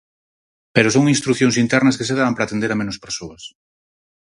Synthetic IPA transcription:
peɾos̬oŋinst̪ɾuθjoŋsint̪ɛɾnɐskeseðaβɐmpɾaːt̪end̪eɾamenospeɾsoɐs

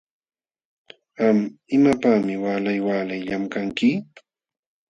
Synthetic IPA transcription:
amɪmapaːmɪwaːlajwaːlajʎamkaŋkɪ

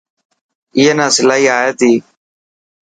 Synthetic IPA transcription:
ɪːeːnãːsɪlaːɦiːaːɦeːt̪iː

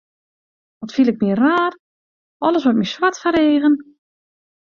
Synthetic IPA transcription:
ʋɔtfilˠɪk̚miəraːr | ɔlˠəs̬ʋɔtmiswatfaɾeːɣən

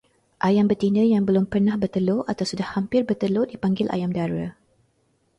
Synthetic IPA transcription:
ʔajambət̪indəjaŋbəlʊmpərnãhbərt̪əloʔat̪awsudahhampɪrbərt̪əlodipaŋɡɪlʔa̰jamdaɾa̰

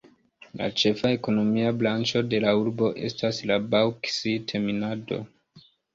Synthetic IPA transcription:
la̰t͡ʃe̞fae̞ko̞no̞miablant͡ʃo̞de̞lauɾbo̞ʔe̞̰staslabawksitʰe̞minado̞̰

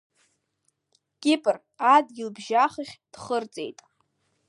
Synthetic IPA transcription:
kʲʼɪpʼɨr | adɡʲɪlbʒaχɨχʲd̥χərt͡sʼḛjtʼ

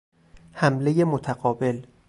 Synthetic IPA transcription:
hæmle̞jemot̪ʰæɣɒːbe̞l

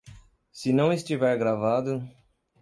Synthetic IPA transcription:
sɪnɐ̃w̃ɪst͡ʃivɛɾɡɾavad̪ʊ

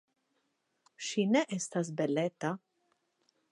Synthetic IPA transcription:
ʃinɛʔɛst̪ɐzbɛlːɛt̪ːɐ

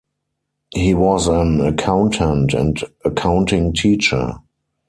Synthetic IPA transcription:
hiːwɔzæ̃nəkʰãʊ̃ntʰɛ̃ntæ̰̃ntəkʰãʊ̃ntɪ̃ŋtʰiːt͡ʃə̰˞

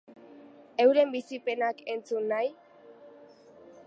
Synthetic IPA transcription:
e̞wɾe̞mbisipe̞nake̞nt͡sunːaj

